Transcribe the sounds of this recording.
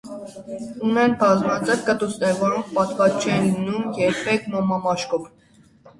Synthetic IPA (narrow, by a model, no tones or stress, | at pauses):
unɛnbɑzmɑt͡sɛp̚kət̪usnɛɾvɔɾɔŋk̚ʰpɑt̪kɑt͡ʃʰɛnimnumjɛɾpʰɛkʰmɔmɑmɑʃkɔv